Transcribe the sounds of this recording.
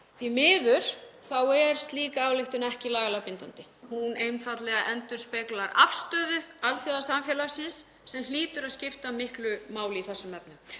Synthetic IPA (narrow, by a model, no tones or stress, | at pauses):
θvimɪːðʏɾ̥θawɛɾ̥st̪liːkaaːwlɪht̪ʏnɛhcɪlaːɣalapɪnt̪ant̪ɪ | huneːjmfat̪lɛɣaʔɛnt̪ʏɾ̥spɛːklaɾa̰fst̪œːðʏaðθjɔðasamfjɛːlaɾsɪnsː | ɛmliːt̪ʏɾaðscɪft̪amɪhklʏmaːwlɪiθɛsːʏmɛp̚nʏm